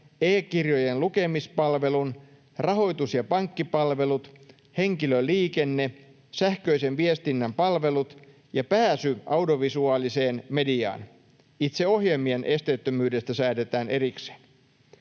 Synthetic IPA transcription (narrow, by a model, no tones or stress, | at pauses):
eːkirjojenluke̞mispɑlʋelun | rɑɦo̞jt̪usjɑpɑŋkːipɑlʋe̞lut̪ | heŋkiløliːkenːe | sæhkøisenʋiest̪inːæmpɑlʋe̞lut̪ | jɑpæːsyʔɑwdioʋisuɑːliseːnmediɑ̰ːn | it̪seo̞hjemienʔe̞st̪eyt̪ːømyːdest̪æsæːt̪et̪æːnʔe̞rikse̥n